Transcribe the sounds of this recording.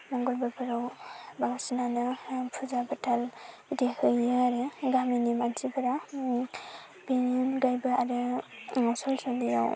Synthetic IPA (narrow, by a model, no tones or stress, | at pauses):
mɔŋɡɔlbapʰɯɾɯwbaŋsinanɯpʰuzabatʰal | idehʰɯjɯaɾɯɡaminimansipʰɯɾa | beninɡajbɯaɾɯ | sɔlsɔlija̰w